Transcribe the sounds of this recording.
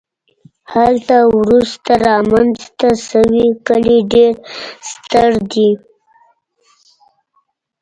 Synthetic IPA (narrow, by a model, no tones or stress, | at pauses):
halt̪awɾust̪aɾɑmanzt̪asəwikəliɖeɾst̪əɾd̪i